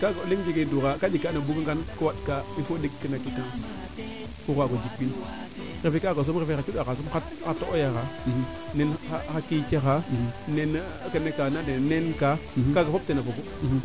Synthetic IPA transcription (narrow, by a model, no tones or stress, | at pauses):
kaɡaoleŋd͡ʒikeduɣakad͡ʒikːanabukəŋɡankəwaɗkaifodekkːənakikaŋs | kuɣaɡod͡ʒikbin | ɾefekakas̬omɾefexat͡ʃiɗaas̬omxa | atoʔojaɣa | nenaxakikaxanenkənekanadenenkakaɡafob̚tenafoɡu